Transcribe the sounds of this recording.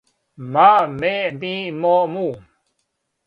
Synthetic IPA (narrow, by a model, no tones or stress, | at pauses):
mameʔbĩːmomu